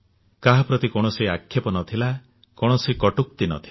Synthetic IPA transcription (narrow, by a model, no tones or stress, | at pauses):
kaɦapɾɔt̪ikɔɽ̃ɔseakʰːjepɔnɔt̪ʰila | kɔɽ̃ɔsekɔʈuk̚t̪inɔ̰t̪ʰi